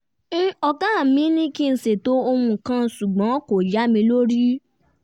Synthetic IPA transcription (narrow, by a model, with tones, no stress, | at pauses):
n̩˦ɔ˧ɡã˦˨mĩ˦nĩ˦ki˦˧˨se˨to˦o˧mũ˧˨kã˦˧su˨ɡ͡bã˨˦ko˨d͡ʒa˨˦mĩ˧lo˦ɾi˦